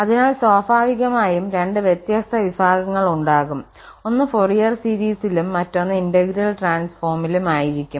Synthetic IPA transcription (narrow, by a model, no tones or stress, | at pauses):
ɐðinaːɭsoːfaːʋiɣɐmaːjumɾe̞ɳɖɨʋjet̪jɐst̪ʰɐʋibʱaːɡɐŋːɐɭuɳɖaːɣum | o̞nːɨforijɐrsiɾiːsilumːɐtːo̞nːɐindɐɡiɾɐlʈraːnsfoːrmilumaːjiɾikʲːum